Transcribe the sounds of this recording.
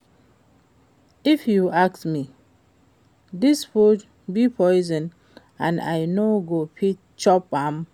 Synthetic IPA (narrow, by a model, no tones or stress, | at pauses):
ifjuaksmi | disfud͡ʒ | bipʰɔɪzə̃n | ãna̰jnoɡopʰit | t͡ʃɔpam